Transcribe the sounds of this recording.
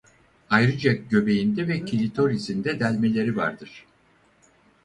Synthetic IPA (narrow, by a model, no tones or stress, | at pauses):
ajɾɯd͡ʒaɟø̞be̞jind̪ɛvɛcʰilʲit̪ʰo̞ɾizind̪ɛd̪ælʲme̞lʲe̞ɾiva̰ɾd̪ɯɾ̥